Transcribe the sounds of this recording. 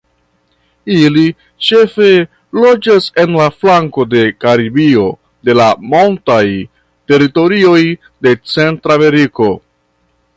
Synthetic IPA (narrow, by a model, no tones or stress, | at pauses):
ili | t͡ʃe̞fe̞ | lo̞d͡ʒase̞nlaflaŋko̞de̞kaɾibio̞ | de̞lamo̞ntaj | te̞ɾito̞ɾio̞j | de̞t͡se̞ntɾame̞ɾiko̞